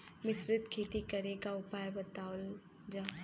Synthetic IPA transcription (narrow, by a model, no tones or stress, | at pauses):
mɪsɾɪt̪kʰeːt̪ikɐɾekaʊpaːjbɐt̪aːwl | d͡ʒaː